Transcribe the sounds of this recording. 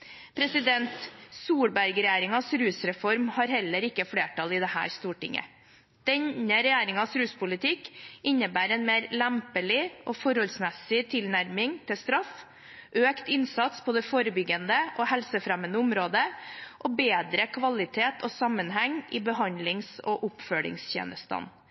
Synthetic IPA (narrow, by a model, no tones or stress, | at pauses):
pʰɾɛsɪd̪ɛnt̪suːɽbæɾɡɾɛjæːɾɪŋɑsɾʉːsɾɛfɔɾmhɑɾhɛlːəɾɪkːəfɽeːʈʰɑlɪd̪ɛhæ̰ːɾst̪uːʈɪ̰ŋə̰ | d̪̥ɛɲəɾɛjæːɾɪŋɑsɾʉːspʊlɪt̪ʰɪkːɪnːəbæːɾɛnmeːɾlæmpəlɪʔɔfɔɾhɔlsmɛsɪt̪ʰɪlnæɾmɪŋt̪ʰɪst̪ɾɑf | ʔøːkt̪ɪnsɑt̪spʰɔd̪ɛfoːɾəbʏɡːənd̪əʔɔhɛlsəfɾɛmənəʊmɾoːd̪əʔɔbeːd̪ɾəkʰʋɑlɪt̪ʰeːt̪ʰɔsɑmːənɦɛŋːʔɪbəɦɑnd̪lɪŋsɔ̰ʔʊpfœɭɪ̰ŋsçḛːnəst̪ɑ̰n